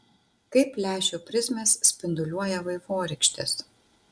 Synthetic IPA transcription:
kɐɪpʲːlʲæːʃʲopʲɾʲɪzʲmʲeːsːʲpʲɪnd̪ʊlʲuɔjɛʋɐɪʋoːɾʲɛkʃʲt̪ʲɪ̰s

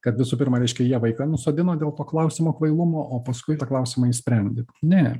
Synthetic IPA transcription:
kɐt̪ʋʲɪsuːpʲɪɾmɐɾʲɛɪʃʲkʲɛjiɛʋɐɪkɐnʊsoːd̪ʲɪnoːd̪ʲeːlˠt̪oːklˠɐʊsʲɪmoːkʋɐɪlˠʊmoːʔoːpɐskʊɪt̪ɐklˠɐʊsʲɪmɐisʲpʲɾʲɛnʲd̪ʲɪnʲɛ

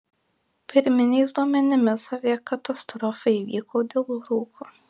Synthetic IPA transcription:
pʲɪɾʲmʲɪnʲɛɪsd̪uɔmʲɛnʲɪmʲɪsɐʋʲikɐt̪ɐst̪ɾɔfɐɪʋʲḭːkoːd̪ʲeːlˠɾuːkʰuː

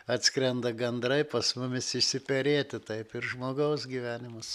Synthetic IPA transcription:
ɐt̪ʲskɾʲɛnd̪ɐɡʲɛnd̪ɾɐɪpɐsmʊmʲɪsɪʃʲsʲɪpʲɛɾʲeːt̪ʲɪt̪ɐɪpɪrʒmoːɡɐʊsɡʲiʋʲæːnʲɪmʊs

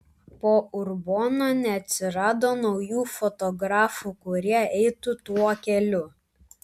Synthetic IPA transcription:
poːʊɾboːnoːnʲɛɐt̪ʲsʲɪɾɑːd̪oːnɔʊjuːfɔt̪ɔɡɾɑːfuːkʊɾʲiɛɛɪt̪ʊt̪uɔkʲɛlʲʊ

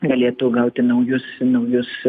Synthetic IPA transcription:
ɡɐlʲeːt̪uɡɐʊt̪ʲɪnɐʊjʊsnɐʊjʊs

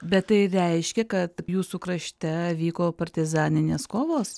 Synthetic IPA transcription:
bʲɛttɐɪɾʲɛɪʃʲkʲɛkɐt̪juːsuːkɾɐʃʲt̪ʲɛɐʋʲiːkoːpɐrʲt̪ʲɪzɑːnʲɪnʲeːskoːʋoːs

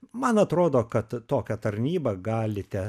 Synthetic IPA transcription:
mɐnɐt̪ɾoːd̪oːkɐt̪t̪oːkʲɛt̪ɐɾʲnʲiːbɐɡɑːlʲɪt̪ʲɛ

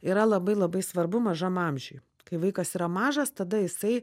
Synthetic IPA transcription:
iːɾɐlˠɐbɐɪlˠɐbɐɪsʋɐɾbʊmɐʒɐmɑmʲʒʲɛj | kɐɪʋɐɪkɐsiːɾɐmɑːʒɐst̪ɐd̪ɐjɪsɐɪ

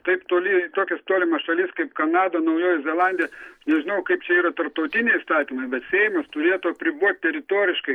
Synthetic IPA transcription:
t̪ɐɪpt̪oːlʲɪt̪oːkʲɛst̪oːlʲɪmɐʃɐlʲɪskɐɪpkɐnɑːd̪ɐnɐʊjoːjɛzʲɛlˠɑnʲd̪ʲijɛʃnʲɛʒʲɪnɐʊkɐɪp̚t͡ʃʲɛiːɾɐt̪ɐrp̚t̪ɐʊt̪ʲɪnʲɛɪist̪ɑːt̪ʲiːmɐɪbʲɛt̪sʲɛɪmɐst̪ʊɾʲeːt̪uɐpʲɾʲɪbuɔt̪̚ʲt̪ʲɛɾʲɪt̪oːɾʲɪʃkɐɪ

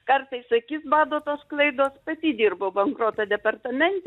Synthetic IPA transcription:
kɐrt̪ɐɪssɐkʲiːsbɑːd̪oːt̪oːsklˠɐɪd̪oːspɐt̪ʲid̪ʲiːrbɐʊbɐŋkɾoːt̪ɐd̪ʲɛpɐrt̪ɐmʲɛnʲt̪ʲ

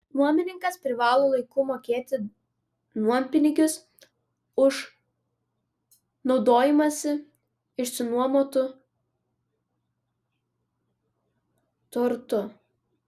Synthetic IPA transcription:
nuɔmʲɪnʲɪŋkɐspʲɾʲɪʋɑːlˠoːlˠɐɪkʊmoːkʲeːt̪ʲɪ | nuɔmʲpʲɪnʲɪɡʲʊs | ʊʃ | nɒʊd̪oːjɪmɐsʲɪ | ɪʃsʲɪnuɔmoːt̪ʊ | t̪ʊɾt̪ʊ

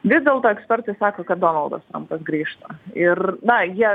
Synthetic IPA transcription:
ʋʲɪːzd̪ʲɛlˠt̪oːɛksʲpʲɛɾt̪ɐɪsɑːkoːkɐt̪̚d̪oːnɐlˠd̪ɐ̰st̪ɐ̰mt̪ɐsɡɾʲiːʃt̪ɐɪrnɐjiɛ

